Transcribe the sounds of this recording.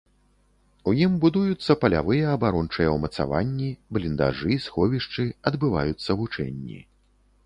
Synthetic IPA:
ujimbud̪ujut̪sːɐpɐlʲa̰vɨjɐɐbaɾɔnt͡ʂɐjɐwmɐt̪sa̰va̰nʲːiblʲind̪a̰ʐɨsxɔvʲiʂt͡ʂɨɐd̪bɨva̰jut̪sːɐvut͡ʂɛ̰nʲːḭ

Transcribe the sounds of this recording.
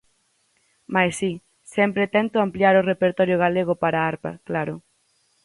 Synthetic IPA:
majsi | sɛmpɾet̪ɛnt̪ʊampljaɾʊrepeɾt̪ɔɾjʊɣaleɣ̞ʊpaɾaaɾpa̰klaɾʊ

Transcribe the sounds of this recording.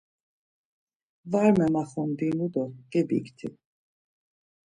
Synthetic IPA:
vaɾmɛmaχɔnd̪inud̪ɔɡ̥ɛbḭkt̪ʰḭ

